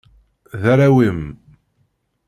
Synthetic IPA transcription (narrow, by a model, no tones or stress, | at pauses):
ðæɾawim